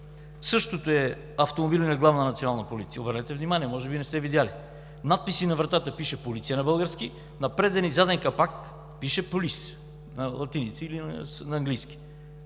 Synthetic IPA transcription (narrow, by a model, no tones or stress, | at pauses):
sɤʃt̪ot̪oɛ | ɐft̪omobilʲinɛɡlˠavnənɐt̪sionalˠnɐpolit̪sijəobəɾnɛt̪ɛvnimaniɛmɔʒɛbinɛst̪ɛvid̪ʲjali | nat̪̚pisinɐvɾɐt̪at̪əpiʃɛpolit̪sijənɐbəlˠɡəɾski | nɐpɾɛd̪ɛnizad̪ɛŋkɐpak | piʃɛpolis | nɐlˠɐt̪init̪siːlinnɐɐŋɡlijski̥